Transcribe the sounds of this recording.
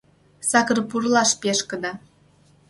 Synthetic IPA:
sɑkɤrpurlˠɑʃpʲeʃkə̆d̪ɑ

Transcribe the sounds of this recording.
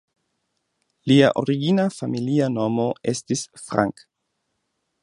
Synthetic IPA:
lia̰ʔo̞̰ɾiɡinafamiliano̞mo̞e̞̰stisfɾa̰ŋk

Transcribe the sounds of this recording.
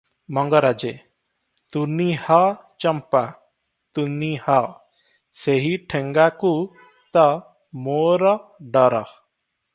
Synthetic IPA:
mɔŋɡəɾad͡ʒɛ | t̪uniha | t͡ʃɔmpa | t̪uniha | seɦiʈʰɛŋɡaku | t̪a | mɔɾɔɖɔɾah

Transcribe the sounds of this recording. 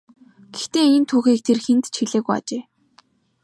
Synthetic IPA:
ɡ̥ext̪eːint̪ʰuːxiːk̚t̪ʰerxent̪t͡ɕʰxiɮeːɣuja̰t͡ɕeː

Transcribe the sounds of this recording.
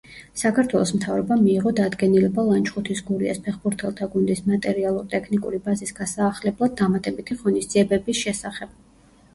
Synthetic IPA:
sakʰaɾt̪ʰwɛlˠɔsmt̪ʰavɾɔbamiːʁɔd̪ad̪ɡɛnilɛbalˠant͡ʃʰʼχut̪ʰisɡuɾia̰spʰɛχbuɾt̪ʰɛlˠt̪ʰaɡund̪ismat̪ʼɛɾialˠuɾt̪ʼɛkʰnikʼṵɾibazisɡ̥asaːχlɛblˠad̪̚ːamat̪ʼɛbit̪ʰiʁɔnisd̪z̥iɛbɛbisʃɛsaχɛb̥̚

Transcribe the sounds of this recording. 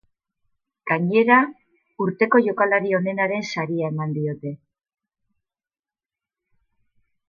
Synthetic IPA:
ɡ̥aɲe̞ɾa | uɾt̪e̞ko̞ʝo̞kalaɾio̞ne̞naɾe̞nsaɾiae̞mand̪io̞t̪e̞

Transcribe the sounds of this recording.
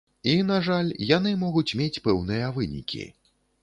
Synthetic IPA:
inaʐalʲjan̪ɨmɔɣut͡sʲmʲet͡sʲpɛwnɨjɐvɨnʲḭkʲʰḭ

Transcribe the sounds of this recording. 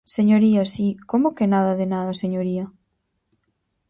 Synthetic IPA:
seɲoɾiɐsikomokenaðɐðenaðɐseɲoɾiɐ

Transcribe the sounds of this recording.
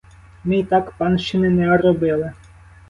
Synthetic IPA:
mɪit̪ɑkpɑnʃt͡ʃɪnɪnɛɔɾɔbɪlˠɪ

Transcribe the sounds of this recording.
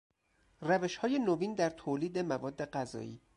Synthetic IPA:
ræve̞ʃhɒːje̞noviːnd̪æɾt̪ʰoːliːd̪e̞mævɒːd̪ːe̞ɢæzɒ̰ːḭː

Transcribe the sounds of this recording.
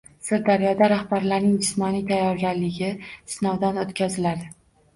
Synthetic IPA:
sɪɾd̪aɾjɒd̪aɾahbaɾlaɾnɪŋd͡ʒɪsmɒnit̪ʰajːɒɾɡʲaɾlɪɡʲɪsnɒwd̪anot̪kʲʰazɪlad̪ɪ

